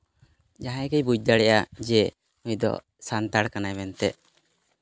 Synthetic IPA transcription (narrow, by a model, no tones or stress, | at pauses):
d͡ʒaɦãkɛjbud͡ʒ̚d̪aɽɛʔad͡ʒɛ | ujd̪ɔ̰ | sant̪aɽkanajmɛnt̪ɛʔ